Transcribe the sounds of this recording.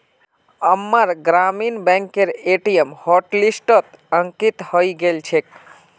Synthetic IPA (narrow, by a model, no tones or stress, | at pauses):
əmːəɾɡɾaminbɛ̃ŋkeɾeʈijəmhɔʈlisʈət̪ | əŋkit̪hoiɡelt͡ʃʰek